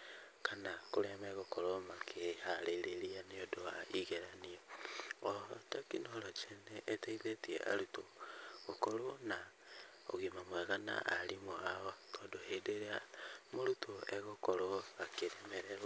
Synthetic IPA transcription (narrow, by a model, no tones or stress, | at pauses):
kanakoɾemɛɣokoɾomakʰehaɾeɾeɾianeodoaiɣeɾanieotakinolot͡ʃeneʔːtaiðetiḛʔa̰ɾutoɣokolona | o̰ɣimamwɛɣana̰ʔalimoaotʰɔdohedeɾeamoɾutʰoeɣokoɾoakeɾemeɾeɾwa